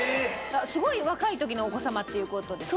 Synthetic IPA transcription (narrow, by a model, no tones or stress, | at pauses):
easɨɡo̞iβakait̪o̞k̬ʲino̞ːko̞samat̪ːe̞jɯ̟ko̞t̪o̞d̪e̞